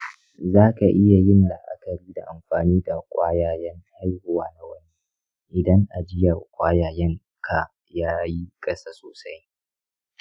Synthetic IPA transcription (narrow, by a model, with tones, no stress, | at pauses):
zaː˦ka˨ʔɪ˦ja˨jɪ˦nla˨ʔa̰˦kɐ˨ɽiː˦da˨ʔa˨mɸaː˨niː˦da˨kʷʼaː˦jaː˨jɛ˦ŋha˦jhʊ˨waː˦na˦wɐ˦ni˦ | ʔɪ˨dɐ˦ŋʔa˨d͡ʒɪ˦ja˨kʷʼaː˦jaː˨jɛ˦ŋ | kʰa˨ | jaː˦ji˦kʼɐ˦saː˦soː˨sa˦j